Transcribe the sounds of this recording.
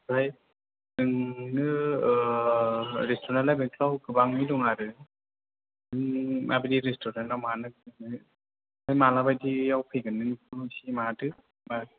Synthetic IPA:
baj | ɯŋnɯ | ɾestoɾnanlajbɯŋkʰlawɡɯbaŋmiluŋaɾɯ | ɯŋa̰bɯdiɾestoɾantawmanɯkɯɯ | ajmalabajdijawpʰɯjɡɯnːɯnkʰɯsimaatɯ | ma

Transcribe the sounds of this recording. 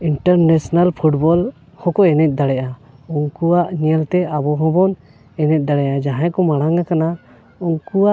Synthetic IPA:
iɳʈəɾnesnalpʰuʈbɔl | hɔ̃kɔɛnɛt̪̚d̪aɽɛʔauŋkuwaʔɲiɛlt̪ɛabɔɦɔ̃bɔn | ɛnɛt̪̚ˀd̪aɽɛʔad͡ʒaɦãkɔmaɽaŋakana | uŋkuwaʔ

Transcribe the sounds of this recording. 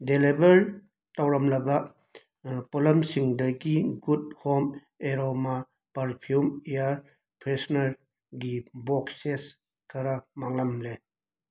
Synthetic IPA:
delebɐɾ | tawɾɐmlɐbɐ | polɐmsiŋdɐɡiɡud̚hom | eɾoma | pɐɾpʰiumjaɾ | pʰɾesnɐɾ | ɡibokses | kʰɐɾamaŋlɐmle

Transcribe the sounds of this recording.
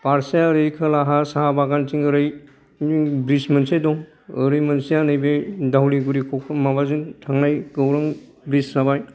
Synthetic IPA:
paɾsiaɾɯjkʰɯlaɦasaabaɡantiŋɯɾɯj | bɾismɐnsedɔŋ | ɯɾɯjmɐnsijanɯjbedawliɡuɾikʰɔkʰmabazintʰaŋnajɡɯwɾɯŋ | bɾissabaj

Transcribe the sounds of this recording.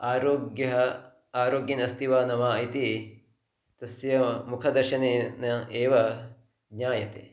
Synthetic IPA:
aːɾoːɡjɐɦɐ | aːɾoːɡjinɐst̪iʋaːnɐmaːit̪i | t̪ɐsjɐmukʰɐd̪ɐɾʃɐneːnɐeːʋɐ | ɡɲaːjɐt̪ḛː

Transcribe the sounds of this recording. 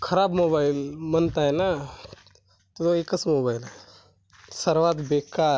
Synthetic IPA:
kʰɐɾaːbmoːbaːɪlmənt̪aɦɛna | t̪ooekəsmoːbaːɪlɦɛ | səɾʋaːt̪beːkaː

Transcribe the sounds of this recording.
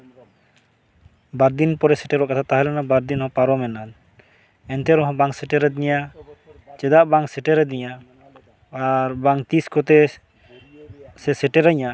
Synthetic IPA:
baɾd̪inpɔɾɛsɛʈɛɾɔʔkat̪ʰat̪aɦalɛnabaɾd̪inɔhɔ̃paɾɔmɛnan | ɛnt̪ɛɾɔɦɔ̃baŋsɛʈɛɾɛd̪iɲa | t͡ʃɛd̪aʔbaŋsɛʈɛɾɛd̪iɲaː | ɾbaŋt̪iskɔt̪ɛ | sɛsɛʈɛɾaɲa

